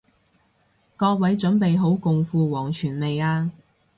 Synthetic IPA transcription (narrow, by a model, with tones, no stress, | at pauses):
kɔː˧k̚wɐ˨˥jt͡ʃɵ˨˥npe˨jɦo˨˥wkʊ˨ŋfuː˨˧wɔː˨˩ŋt͡ʃʰyː˨˩nme˨jaː˧